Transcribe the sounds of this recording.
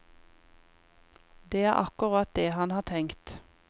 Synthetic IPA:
d̪eːæːʁʔɑkʊʁɑt̪̚d̪eːhɑnhɑːʈʰɛŋkt̪

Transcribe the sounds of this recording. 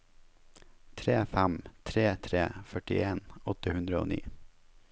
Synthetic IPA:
t̪ʰɾeːfæmt̪ʰɾeːt̪ʰɾeːfœʈɪ̰ʔeːnɔt̪əhʉnd̪ɾəo̰ːnḭː

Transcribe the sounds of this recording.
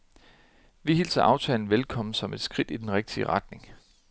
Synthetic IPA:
ʋiɦilsɐʔɑ̈ʊt͡sʰɛ̰ːln̩ʋelkʰɒ̽m̰n̩sɒ̽me̝d̥sɡ̥ʁid̥id̥enʁeɡ̥̚d̥iəʁɑ̈d̥ne̝ŋ

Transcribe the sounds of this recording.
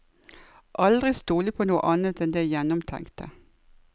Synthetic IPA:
ʔɑld̪ʁɪst̪oːlɪpʰoːnuːə̰ʔɑnət̪ɛnd̪eɪjɛnʊmt̪ʰɛ̰ŋkt̪ʰə

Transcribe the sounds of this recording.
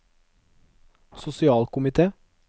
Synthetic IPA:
sʊsɪɑːlkʊmɪt̪ʰeː

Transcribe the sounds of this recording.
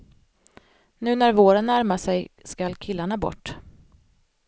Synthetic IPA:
nʉ̟ːnæɾvoːɾənːæɾmaʂɛjskalkʰɪlːaɳabɔ̰ʈː

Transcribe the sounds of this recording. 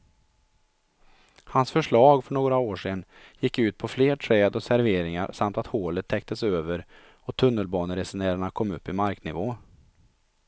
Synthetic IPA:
hansfœʂɭɑːɡfœɳoːɡɾaoːʂen | jɪkːʉ̟ːt̪̚pʰɔfleːʈʰɾɛːd̪ɔsæɾveːɾɪŋa̰ɾsamt̪at̪hoːlət̪ʰːɛk̚t̪ʰəsøːvəɾ | ɔt̪ʰɵnːəlbɑːnəɾɛsɛnæːɾaɳakʰɔmːɵpːɪmaɾknɪvoː

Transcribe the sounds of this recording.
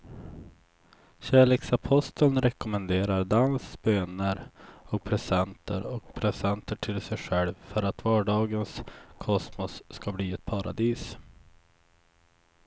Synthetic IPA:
ɕæːleːksapʰɔst̪ʰəlnɾɛkʊmənd̪eːɾaɾd̪ansbøːnəɾɔk̚pʰɾɛsɛnt̪ʰəɾɔk̚pʰɾɛsɛnt̪əʈʰɪlsɛjɧɛlvfœɾat̪vɑːɖɑːɡənskʰɔsmɔsːkabliːɛt̪̚pʰaɾa̰d̪iːs

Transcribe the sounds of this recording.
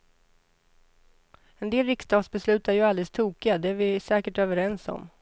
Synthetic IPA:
ɛnd̪eːlɾɪkst̪ɑːɡsbɛslʉ̟ːt̪æɾjɵald̪ɛst̪ʰuːkɪad̪ɛæɾvɪsɛːkəʈøːvəɾɛnsɔ̰m

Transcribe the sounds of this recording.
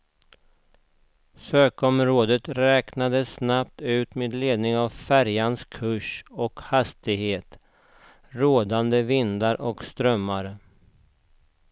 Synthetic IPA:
søːkɔmɾoːd̪ət̪ɾɛːknad̪əsnap̚t̪ʉ̟ːt̪meːd̪leːd̪nɪŋavfæɾjanskʰɵʂɔkhast̪ɪɡheːt̪ | ɾoːd̪and̪əvɪnd̪aɾʔɔkst̪ɾœmːaɾ

